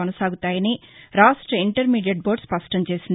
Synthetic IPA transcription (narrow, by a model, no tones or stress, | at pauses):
ɔnɐsaːɡut̪aːjɐniɾaːʂʈɾɐiɳʈɐɾmiːɖijɐɖ̚bo̞ːɾɖspɐsʈɐmt͡ʃe̞ːsind̪